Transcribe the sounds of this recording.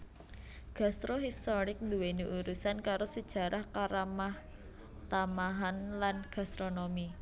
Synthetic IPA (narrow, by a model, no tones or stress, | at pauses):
ɡ̥a̤st̪ɾoɦist̪oɾɪk̚nd̪uweniʔuɾusankaɾosəd̥ʒ̥ä̤ɾʔahkaɾamah | t̪amaɦanlanɡ̥a̤st̪ɾonomi